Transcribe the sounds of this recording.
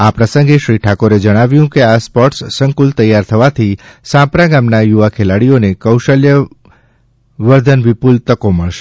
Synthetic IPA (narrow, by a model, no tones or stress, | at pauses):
apɾəsə̃ŋɡeʃɾiʈʰakoɾed͡ʒəɽ̃aʋjũkeaspɔʈsːə̃ŋkʊlt̪əjːaɾt̪ʰəʋat̪ʰisãpɾaɡamnajuʋakʰelaɽijonekəwʃəljə | ʋəɾd̪ʱənʋɪpult̪əkoməɭʃe